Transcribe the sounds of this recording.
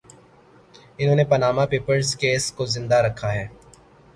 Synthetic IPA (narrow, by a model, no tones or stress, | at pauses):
ɪnɦõːnepɐnaːmapeːpəɾzkeːskozɪ̃nd̪aɾɐkʰːaɦɛː